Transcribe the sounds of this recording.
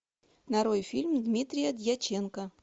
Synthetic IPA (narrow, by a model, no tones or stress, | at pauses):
nɐɾojfʲilʲmd̪mʲit̪ɾʲɪjəd̪ʲjat͡ɕenkə